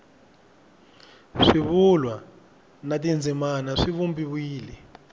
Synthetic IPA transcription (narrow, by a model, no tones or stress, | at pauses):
ʂiβulwa | natind͡zʱimanaʂiβumbiβiːlɛ